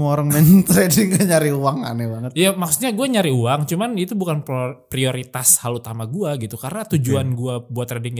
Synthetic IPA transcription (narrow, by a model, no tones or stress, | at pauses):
moɾaŋmɛnt̪ɾɛdɪŋkaɲaɾiuaŋa̰nɛbaŋət̪ijamaksut̪̚ɲaɡuaɲaɾiuaŋt͡ʃumanit̪ubukanpɾioɾit̪ashalut̪amaɡuaɡit̪ukaɾənat̪ud͡ʒuanɡuabuat̪rɛdɪŋ